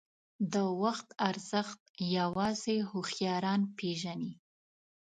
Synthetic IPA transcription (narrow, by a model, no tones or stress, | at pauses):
d̪əwaxt̪aɾz̥əxt̪̚jawɑzehʊxjɑɾɑnpeʒani